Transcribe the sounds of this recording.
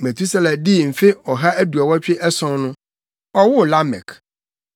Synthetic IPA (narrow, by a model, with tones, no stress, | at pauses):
mɛ˨t̪ʰu˦sɛ˦lɛ̃˨dɪ˦˨m̩˨fɪ˦ɔ˨ɦa˦æ˦du˨a˨wɔ˦t͡ɕᶣɪ˦ʔɛ˦sɔ̃˨˦nnʊ̃˦ | ɔ˦wʊ˦˨la˦mɛ̰˨k